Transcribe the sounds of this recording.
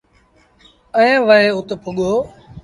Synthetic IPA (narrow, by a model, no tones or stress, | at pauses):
əẽːʋəɦeːʊt̪pʰʊɠoː